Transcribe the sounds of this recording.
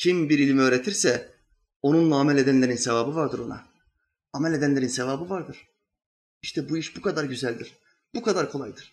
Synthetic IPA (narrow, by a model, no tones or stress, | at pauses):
cʰimbiɾilʲimøːɾe̞t̪ʰiɾsɛ | o̞nunlˠaːmɛlʲe̞d̪ænlʲe̞ɾinsevaːbɯvaɾd̪ɯɾo̞̰na̰ | amɛlʲed̪ænlʲeɾinsevaːbɯvaɾd̪ɯɾ̥ | iʃt̪ʰɛbuiʃbukʰad̪aɾɟyzælʲd̪iɾ̥ | bukʰad̪aɾkʰo̞lˠajd̪ɯɾ̥